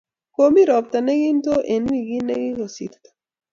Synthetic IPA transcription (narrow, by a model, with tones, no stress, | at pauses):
ko˨mi˦ɾɔ˨pta˨nɛ˦ɡɪ˦nto˦ʔe˨n˦i˦˨ɡi˦nɛ˦ɡɪ˦ɡo˨sḭ˨ɾt̪ḁ˨